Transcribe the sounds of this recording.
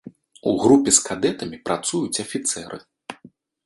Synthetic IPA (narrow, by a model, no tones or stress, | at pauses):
uɣɾupʲɛskad̪ɛt̪ɐmʲipɾat̪sujut͡sʲɐfʲit̪sɛɾʔɨ̰